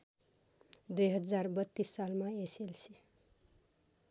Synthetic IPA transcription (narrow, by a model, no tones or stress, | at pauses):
d̪ujɦʌd͡zarbʌt̪ːisːalmaeselsʰi